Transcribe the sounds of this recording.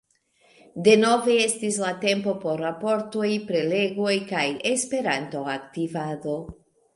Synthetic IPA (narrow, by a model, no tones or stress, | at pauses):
de̞no̞ve̞e̞stislate̞mpo̞po̞ɾːapo̞ɾto̞jpɾe̞le̞ɡo̞jkajespe̞ɾanto̞aktivado̞